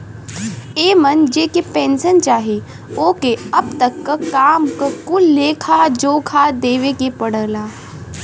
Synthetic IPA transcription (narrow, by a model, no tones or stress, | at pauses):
eːmɐnd͡ʒeːkepẽːnsənt͡ʃaːɦi | oːkeɐbt̪ɐkːəkaːmkəkʊlːeːkʰad͡ʒoːkʰaːd̪eːʋekepɐɽəlaː